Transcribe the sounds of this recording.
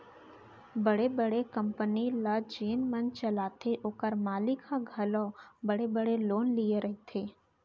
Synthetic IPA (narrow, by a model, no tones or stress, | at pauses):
bəɽebəɽekə̃mpənilad͡ʒeːnmə̃nt͡ʃɐlaːt̪ʰeʔoːkəɾmaːlɪkʰãɡʱɐlɔ̃bəɽebəɽeloːnlieɾɐɦet̪ʰeː